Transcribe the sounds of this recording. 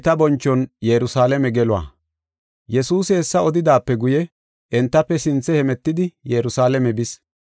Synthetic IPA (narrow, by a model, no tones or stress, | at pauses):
t̪ɐbɔnt͡ʃːɔnjɛɾʊsaːlɛmɛɡɛlʊwa̰ː | jɛsuːsɪɛsːɐɔd̪ɪd̪aːpːɛɡʊjɛ | ʔɛnt̪ːɐpːɛsɪnt͡sːɛhɛmɛt̪ːɪd̪ɪjɛɾʊsaːlɛmɛbɪs